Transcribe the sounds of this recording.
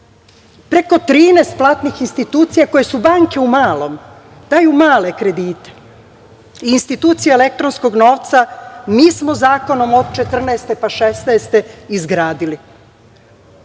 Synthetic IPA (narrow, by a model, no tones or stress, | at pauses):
pɾe̞ko̞t̪ɾiːnest̪̚plˠaːt̪nixinst̪it̪uːt̪sijako̞je̞subaŋke̞umaːlˠo̞m | d̪̥aːjumaːle̞kɾe̞d̪iːt̪e̥ | iːnst̪it̪uːt̪sijeele̞k̚t̪ɾonsko̞ɡno̞ːʋt̪samiːsmozaːko̞no̞mo̞d̪̚t͡ʃe̞t̪r̩nɛːst̪e̞paʃesneːst̪e̞izɡɾaːd̪ili